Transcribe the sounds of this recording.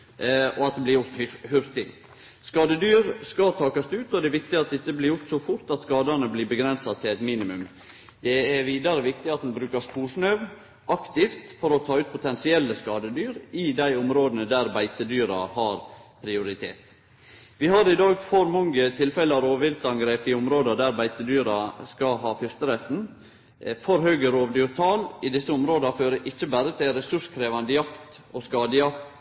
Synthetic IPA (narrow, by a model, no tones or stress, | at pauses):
ɔɑt̪̚d̪ɛblɪjʊɾt̪hʏɾt̪ɪ | skɑːd̪əd̪yːɾskɑt̪ʰɑːkɑst̪ʉːt̪ɔd̪ɛʋɪk̚t̪ɪɑt̪̚d̪ɛɪt̪ːəblɪɾjʊɾt̪sɔfʊɾt̪ɑt̪skɑːd̪ɑnəblɪbəɡɾɛnsɑt̪ʰɪlɛɪt̪miːnɪmʉm | d̪ɛɛɾʋiːd̪ɑɾəʋɪkt̪ɪɑt̪̚d̪ɛnbɾʉːkəspuːʂɳœʋ | ʔɑkt̪ɪft̪fɔɾɔt̪ʰɑːʉːt̪̚pʰʊt̪ʰɛnsɪɛlːəskɑːd̪əd̪yːɾɪd̪æɪʊmɾoːd̪ənəd̪æɾbæɪt̪əd̪yːɾɑ̰hɑɾpʰɾɪʊɾɪt̪ʰḛːt̪ | ʋɪhɑɾɪd̪ɑːɡfɔɾmɔŋːət̪ʰɪlfɛləɑɾoːʋɪlt̪ɑnɡɾeːpɪʊmɾoːd̪ɑd̪æɾbæɪt̪əd̪yːɾɑskɑɦɑːfʏɾt̪əɾɛt̪n | fɔɾhøːɡəɾoːʋd̪yːɾt̪ʰɑːlɪd̪ɪsːəʊmɾoːd̪ɑføːɾəʔɪçːəbæɾət̪ʰɪlɾɛsʉʂkʰɾeːʋɑnd̪əjɑkt̪oskɑːd̪əjɑ